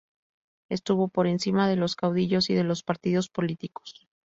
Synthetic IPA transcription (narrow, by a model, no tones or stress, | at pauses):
e̞st̪uβo̞po̞ɾe̞nsimaðe̞lo̞skawðiʝo̞siðe̞lo̞spaɾt̪iðo̞spo̞lit̪iko̥s